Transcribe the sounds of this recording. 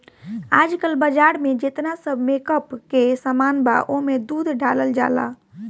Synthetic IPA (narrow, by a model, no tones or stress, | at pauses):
ad͡ʒkəlbəd͡ʒaɽmed͡ʒet̪nasəbʱmekəpkesəmanba̰ʔomed̪ud̪ʱɖʱaləld͡ʒa̰la̰